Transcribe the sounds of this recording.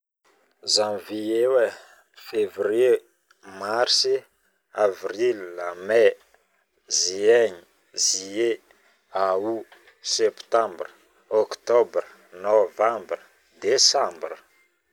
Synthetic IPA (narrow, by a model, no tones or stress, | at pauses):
zãviewe | fevɾe | maɾsi | avrilname | zieɲi | zie | au | sɛpt̪ãmbrə̥ | okt̪ɔbri | novãmbri | d̪esãmbrə